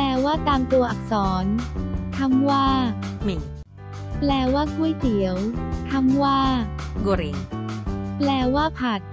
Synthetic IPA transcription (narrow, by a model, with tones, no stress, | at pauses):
plɛː˧waː˥˩t̪aː˧mt̪u˧ɐʔa˨˩k̚sɔː˩˦nk̪ʰa˧˥˩mwaː˥˩mi˨˩˦ | plɛː˧˩waː˥˩kʰuː˥˩˨jt̪ʰi˩˦əwk̪ʰa˧˥˩mwaː˥˩ɡo˧ɾi˧˩n | plɛː˧˩waː˥˩pʰa˨˩t̪̚